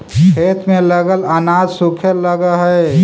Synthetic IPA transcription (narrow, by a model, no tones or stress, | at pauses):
kʰeːt̪mẽləɡəlɐnaːd͡ʒsʊkʰəlləɡaɦɛ